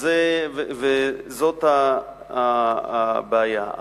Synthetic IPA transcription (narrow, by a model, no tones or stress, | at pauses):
zevevezot̪ha | beaja̰